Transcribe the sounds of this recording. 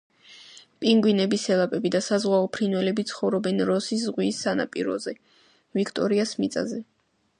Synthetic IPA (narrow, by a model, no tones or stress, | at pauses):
pʼiŋɡwinɛbisɛlˠapʼɛbid̪asazʁwaɔpʰɾinwɛlɛbit̪sʰχɔvɾɔbɛnɾɔsiszʁwiːsːana̰pʼiɾɔ̰zɛ | vikʰt̪ʼɔɾiasmit̪sʼa̰zɛ